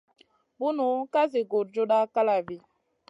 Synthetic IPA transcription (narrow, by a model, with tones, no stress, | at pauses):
bu˦nu˨˦ka˦zi˨ɡo˨ɾd͡ʒo˦ɗa˦ka˦la˨vi˨